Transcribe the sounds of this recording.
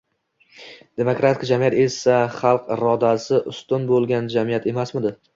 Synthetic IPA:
d̪̥e̞mokɾat̪ʰɪ̥kd͡ʒamijat̪e̞saχɑlˠqɾɒd̪asɪʔʊst̪ʊnbolˠɡʲand͡ʒamijat̪ʰe̞masmɪd̪ɪ

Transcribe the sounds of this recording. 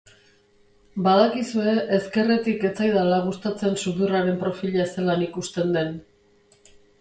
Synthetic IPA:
baðakisue̞ʔeske̞re̞t̪ike̞t͡sajðalaɣ̞ust̪at͡se̞nsuðuraɾe̞mpɾo̞fiʎase̞lanikust̪e̞nd̪e̞n

